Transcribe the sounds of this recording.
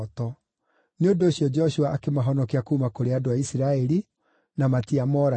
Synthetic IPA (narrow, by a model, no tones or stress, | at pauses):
tɔ | neondoːɕjɔd͡ʒɛɔɕuaʔakemaɦɔnɔkeakuːmakoɾeadoaisiɾaɛɾi | namatiamɔɾa